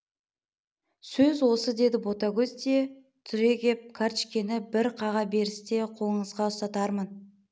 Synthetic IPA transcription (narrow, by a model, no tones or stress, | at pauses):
sɵzwo̞səd̪e̞d̪ɪbo̞t̪aɡʲɵzt̪e | t̪ʰʏɾe̞ɡʲe̞p̚kʰaɾt͡ʃkʲe̞nɪbɪɾqʰɑʁɑbe̞ɾɪst̪e̞qʰo̞lˠəɴəzʁɑʊst̪ɑt̪ɑɾmən